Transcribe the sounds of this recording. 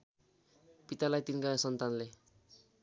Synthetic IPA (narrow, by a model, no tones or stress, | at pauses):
pit̪alajt̪inkasʌnt̪anle